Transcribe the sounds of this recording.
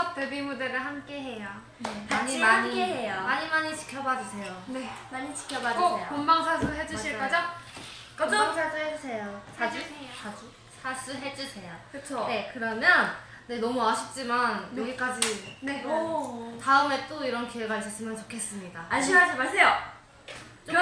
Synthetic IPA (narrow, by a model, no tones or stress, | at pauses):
apebimudeɾɯɭɦamk͈e̞ɦe̞ja | neaɲimaamɲikeejamaɲimaɲit͡ɕi̥kʰjʌbad͡ʑusʰe̞jone̞maɲit͡ɕi̥kʰjʌbad͡ʑoejkombaŋsʰasʰuɦe̞d͡ʑuɕʰiɭk͈ʌd͡ʑa | kmasʰad͡ʑuɦed͡ʑusʰe̞joad͡ʑuad͡ʑu | sʰasʰuɦe̞d͡ʑusʰe̞jakɯt͡ɕʰonekɯɾʌmjʌn | ne̞nʌmuaɕʰip̚t͡ɕ͈imanjʌɡik͈ad͡ʑineotaɯme̞t͈oiɾʌnkiwe̞ɡais͈ʌs͈ɯmjʌnt͡ɕokʰe̞s͈ɯmɲidaaɕʰimad͡ʑimaɭs͈ʰejo | t͡ɕ͈o